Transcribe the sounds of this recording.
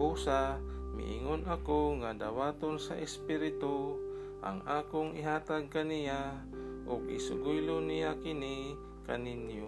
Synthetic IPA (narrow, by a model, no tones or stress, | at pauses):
ʔusamḭʔḭŋonakoŋad̪awaːt̪onsa̰ʔɛspiɾɪt̪o | ʔa̰ŋaːkʊŋɪɦaːt̪aɡ̚kanija | ʔʊɡɪsʊɡujlʊnijakɪni | kaninjo